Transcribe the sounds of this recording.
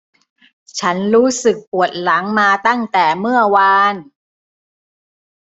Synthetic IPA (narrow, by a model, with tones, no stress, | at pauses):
t͡ɕʰa˦˥nɾuː˦˥sɯ˨˩k̚pu˨˩ə˩t̪̚la˩˦ŋmaː˧t̪a˥˩ŋt̪ɛː˨˩mɯ˥˩ɐwa˧n